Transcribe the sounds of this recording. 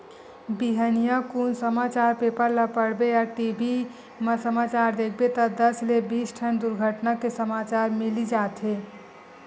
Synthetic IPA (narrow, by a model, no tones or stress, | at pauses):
biɦənijakuːnsəmaːt͡ʃaːɾpeːpəɾlapəɽbeaːʈibʱi | məsəmaːt͡ʃaːɾd̪ek̚ʰbet̪ɔd̪əslebiːsʈʰənd̪ʊɾɡʱəʈnakesəmaːt͡ʃaːɾmɪlid͡ʒaːt̪ɦe